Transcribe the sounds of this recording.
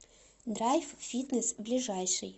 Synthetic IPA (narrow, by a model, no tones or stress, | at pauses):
d̪rajffʲit̪nəsblʲɪʐajʂɨ̰j